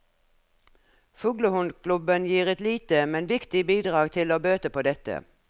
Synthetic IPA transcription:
fʉːɡlʊhʊnd̪kʰlʉbənjiːʁɛt̪liːt̪əmɛnʋɪkt̪ɪbiːd̪ʁɑːɡt̪ʰɪloːbøːt̪əpʰoːd̪ɛt̪ə̰

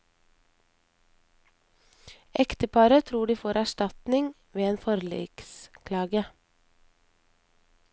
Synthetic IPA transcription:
ʔɛkt̪əpʰɑːɾət̪ʰɾuːɖiːfoːɾæʃʈɑt̪nɪŋ | ʋeːeːnfɔɾlḭːkskʰlɑːɡə

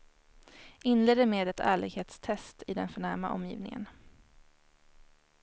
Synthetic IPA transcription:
ɪnleːd̪əɾmeːd̪ɛt̪ʰæ̰ːɭɪɡheːt̪st̪ʰɛst̪ɪd̪ɛnfœɳæɾmaʔɔ̰mːjḭːvnɪŋə̰n

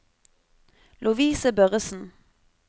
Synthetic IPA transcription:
lʊʋiːsəbœʁəsn̩

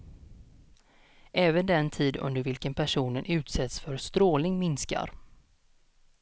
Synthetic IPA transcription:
ʔɛːvənd̪ɛnt̪ʰiːd̪ɵ̰nd̪əɾvɪlkənpʰæʂuːnənʉ̟ːt̪sɛt̪sfœɾst̪ɾoːlnɪŋmɪnska̰ɾ

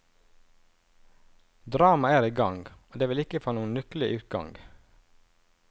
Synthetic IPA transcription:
d̪ɾɑːmɑæːɾiːɡɑŋɡoːd̪eːʋɪlɪkəfoːnuːənnʉkl̩ɪʔʉːt̪̚ɡɑ̰ŋɡ

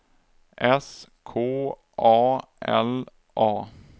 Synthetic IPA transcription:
ʔɛskʰoː | ʔɑːʔɛ̰l | ʔɑː

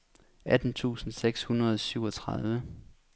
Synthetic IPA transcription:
æd̥n̩t͡sʰṵːsn̩seɡ̥shunɐð̞ˠɒsyʊɒ̽t͡sʰʁɑðˠʋə

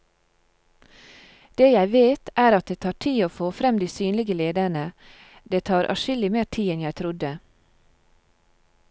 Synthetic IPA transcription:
d̪̥eːjæɪʋeːt̪ʰæːɾɑt̪̚d̪eːt̪ʰɑːʈʰiːoːfoːfɾɛmd̪iːsyːnlɪɡəleːd̪əɳə | d̪eːt̪ʰɑːɾʔɑ̰ʃɪlɪmeːʈʰiːɛnjæɪt̪ʰɾʊd̪ə

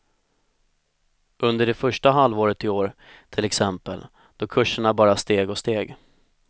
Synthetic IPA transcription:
ʔɵnd̪əɖɛfœʂʈaɦalvoːɾət̪ɪoːɾt̪ʰɪlɛksɛmpə̰l | d̪̥ɔkʰɵʂːəɳabɑːɾast̪eːɡɔst̪eːɡ

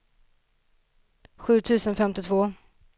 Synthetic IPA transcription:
ɧʉ̟ːt̪ʰʉ̟ːsənfɛmt̪ɪt̪ʰvoː

